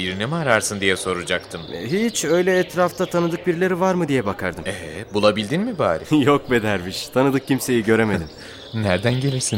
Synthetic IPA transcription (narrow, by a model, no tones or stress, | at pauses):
iɾinɛmaɾaɾsɯnd̪ijɛso̞ɾud͡ʒakt̪ʰɯmɦit͡ʃø̞jlʲɛːt̪ɾaft̪ʰat̪ʰanɯd̪ɯk̚biɾlʲe̞ɾivaɾmɯd̪ijɛbakʰaɾd̪ɯmeɦɛbulˠabilʲd̪inmibaːɾḭjok̚be̞d̪æɾmiʃt̪ʰanɯd̪ɯk̚cimse̞jiɟø̞ɾe̞med̪im | næɾd̪ænɟe̞lʲiɾsin